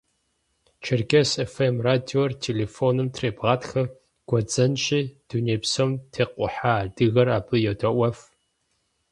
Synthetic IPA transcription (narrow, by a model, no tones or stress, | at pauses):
t͡ʃʰɪrɡʲesefemraːdiortʰeleːfonɨmtʰreːbʁaːtxɐ | ɡ̥ʷɔd͡zʼɐnɕʼiːd̥unepsomtʰeːqʷʼʊ̰ħaːdɨɣɐraːbɨjɛdʰɐʔʷɐf